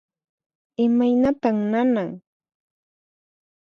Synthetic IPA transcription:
ɪmajnat̪amnanaŋ

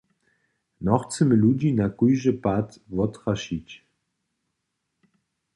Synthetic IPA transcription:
nɔxt͡səmɘlud͡ʑinakujʒəpat̪vɔt̪χaʃit͡ɕ

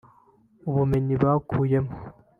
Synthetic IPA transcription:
uβumenibaːkʰuːjemo

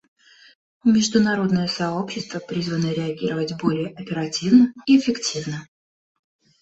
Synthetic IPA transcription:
mʲɪʐd̪ʊnɐɾo̞d̪nəjəsɐo̞pɕːɪst̪vəpɾʲizvənəɾʲɪɐɡʲiɾəvətʲbo̞lʲɪjəʔɐpʲɪɾɐtʲivnəiɪfʲɪktʲivnə

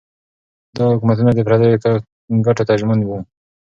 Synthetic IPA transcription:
d̪ɑhʊkumat̪̬unad̪əpɾɑd̪aɾo | ɡaʈot̪ad͡ʒmand̪wu

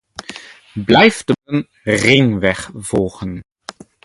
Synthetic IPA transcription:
blɛjftən | rɪŋʋɛχv̥oːχən

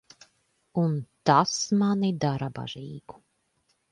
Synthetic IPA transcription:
unt̪asmanid̪aɾaba̰ʒiːɡu̥

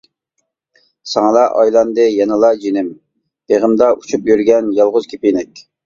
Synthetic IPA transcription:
sɑŋlˠɑʔɑjlˠɑnd̪ɨjɑnɨlˠɑd͡ʒinɪm | b̥eʁəmd̪ɑut͡ʃʰupjyɾɡʲɛnjɑlˠʁʊz̥kʲʰe̥pinɪkʲ

